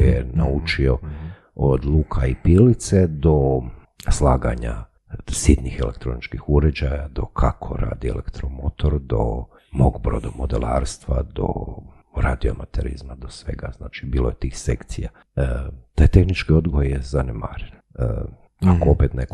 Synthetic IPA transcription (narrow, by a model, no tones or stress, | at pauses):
jenaut͡ʃio̞ | od̪lˠukʰaipilit̪sed̪o̞ | slˠaːɡa̰ɲa̰ | sit̪nixelekt̪ɾo̞nit͡ʃkixuɾed͡ʑajad̪o̞kʰakʰo̞̰ɾʔa̰ːd̪iḛlḛkt̪ɾomot̪oɾd̪o̞̰ | moɡbɾod̪omo̞d̪elaːɾst̪ʋad̪o̰ | ɾad̪iomat̪eɾḭzmad̪osʋe̞̰ɡaz̥naːt͡ʃibiːlojet̪iːxsḛkt̪sija | ət̪ajt̪e̞xnit͡ʃkio̞d̪ɡojejezanema̰ɾen | ə | akoopet̪nek